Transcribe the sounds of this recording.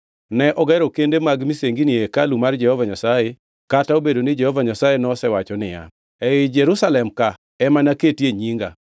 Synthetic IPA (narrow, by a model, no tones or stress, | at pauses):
nɛʔɔɡɛɾɔkendemaɡmiseŋɡiniekalumard͡ʒɛhɔvaɲasaje | kataobedonɪd͡ʒɛhɔvaɲasajenɔsɛwat͡ʃɔnɪja̰ | ɛɪd͡ʒɛɾusalɛmka | ɛmanaketjeɲiŋɡa̰